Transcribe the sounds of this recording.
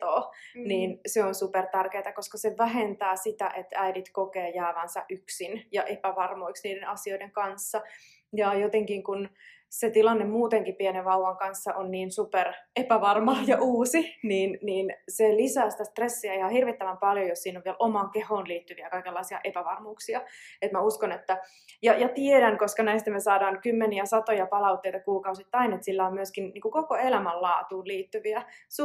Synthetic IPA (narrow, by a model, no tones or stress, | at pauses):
oːniːnseonsupert̪ærkeːt̪ɑkoskɑseʋæɦent̪æːsit̪æ̰ʔet̪æidit̪kokeːjæːʋænsɑ̰ʔyksinjɑʔepæʋɑrmoiksniːdenɑsioideŋkɑnsːɑ | jɑjot̪eŋkiŋkun | set̪ilɑnːemmuːt̪eŋkipiɛneʋʋɑuʋɑŋkɑnsːɑʔonniːnsuperepæʋɑrmɑːjɑʔuːsiniːnniːnselisæːsi̥t̪æst̪resːiæihɑhirʋit̪ːæʋæmpɑljojossiːnoʋielʔomɑːŋkehoːnliːt̪ːyʋiækɑikelːɑisiɑ̰ʔepæʋɑrmuːksiɑet̪mæuskonet̪ːæ | jɑjɑt̪iedæŋkoskɑnæist̪æmesɑːdɑːŋkymːeniæsɑt̪ojɑpɑlɑuwt̪ːejt̪ɑkuːkɑusit̪ːɑinet̪silːæommyøskinniːŋkukokoelæmællɑːt̪uːlliːt̪ːyʋiæs